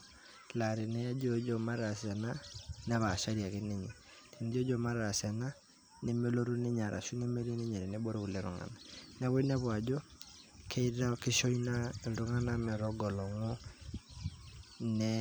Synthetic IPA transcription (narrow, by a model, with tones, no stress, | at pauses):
la˨ɾi˨nɛ˦ja˦d͡ʒo˦d͡ʒo˨ma˦ɾa˨sa˨na˦nɛ˦βa˨ʃa˦ɾi˨a˨ki˦ne˦ɲi˨ | ti˨ne˦d͡ʒɔ˦d͡ʒo˨ma˦ɾɾa˨sa˨na˦ | nɛ˦mɛ˦lo˦ɾu˦nɛ˦ɲa˨ɾʔa̰˨ʃu˦nɛ˦me˦ɾi˦nɛ˦ɲa˨ɾɛ˨nɛ˦bo˦ɾe˦u˨le˨ɾṵ˨ŋa̰˨na˨nɛ˦βɔ˦i˦nɛ˦βwa˨d͡ʒo˦ | kʰe˦i˦ɾa˦ki˦ʃo˦ina˦˨ndu˦ŋa˦na˦mɛ˨ɾɔ˦ɡɔ˨lɔ˨ŋu˦ | nɛ˦